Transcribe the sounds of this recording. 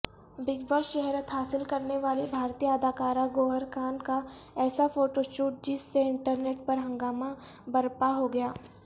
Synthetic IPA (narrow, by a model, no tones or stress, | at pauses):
bɪɡbəʃɛɦɾət̪ɦaːsɪlkɐɾneʋaːlibʱaːɾt̪ijəəd̪ʱaːkaːɾaɡoːɦəɾkʰaːnka | ɛːsafoːʈoʃuːʈ̚d͡ʒɪsːeɪ̃ɳʈəɾneːʈ̚pɐɾɦɐ̃ŋɡaːmabɐɾpaɦoɡɐjaː